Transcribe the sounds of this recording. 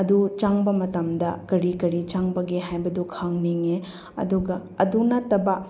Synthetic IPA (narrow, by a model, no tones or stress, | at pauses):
ɐd̪ut͡ʃaŋbɐmɐtɐmd̪ɐkɐɾikɐɾit͡ʃaŋbɐɡeɦajbɐd̪ukʰaŋniŋe | ɐ̰d̪uɡɐɐd̪unɐtɐbɐ